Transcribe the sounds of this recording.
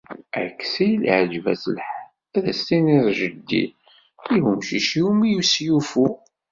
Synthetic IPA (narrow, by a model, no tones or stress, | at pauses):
ækːsæjil̰ʕəd͡ʒvæ̰sə̰lħ | æðæst̪iniɾˤʒəd̪ːḭ | iɦumʃiʃiumijusjufu